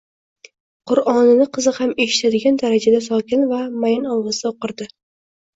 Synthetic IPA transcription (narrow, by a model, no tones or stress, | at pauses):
qʰʊɾɒnɪnɪqʰɨzɨhame̞ʃɪ̥t̪ʰad̪ɪɡʲand̪aɾad͡ʒad̪asɒkʲɪnvamajɪnɒlˠʁɨsd̪aoqɨɾd̪ɪ